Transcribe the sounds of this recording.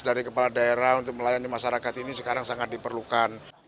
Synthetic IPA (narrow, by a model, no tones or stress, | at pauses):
daɾikəpaladaeɾahunt̪ʊk̚məlajandimaʃaɾakat̪inisəkaɾaŋsaŋat̪̚dipərlukan